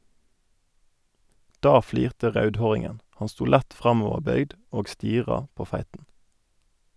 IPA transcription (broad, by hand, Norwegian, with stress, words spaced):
ˈdɑː ˈfliːʁtə ˈʁɑʉdˌhoːʁɪŋən ˈhɑn ˈstuː ˈlɛt ˈfʁɑmɔʋəʁˌbœʏɡd ˈoːɡ ˈstiːʁɑ ˈpoː ˈfæɪtn̩